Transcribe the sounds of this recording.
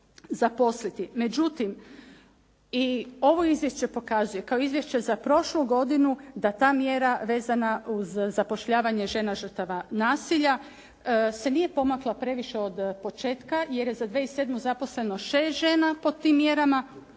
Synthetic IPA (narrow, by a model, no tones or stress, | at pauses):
zapo̞slit̪ime̞d͡ʑut̪im | io̞ʋo̞izʋje̞ʃt͡ʃe̞po̞kazuje̞kao̞izʋje̞ʃt͡ɕe̞zapɾo̞ʃluɡo̞d̪inud̪at̪aːmje̞ɾaʋe̞ːzanauzːapo̞ʃʎaːʋaɲe̞ʒe̞naʒr̩t̪aʋanaːsiʎa | se̞nije̞po̞maklˠapɾe̞ʋiʃe̞o̞d̪po̞t͡ʃeːt̪kaje̞ɾje̞zad̪ʋeise̞d̪muzapo̞sle̞no̞ʃe̞ːst̪ʒe̞ːnapo̞dt̪ːiːmːje̞ɾama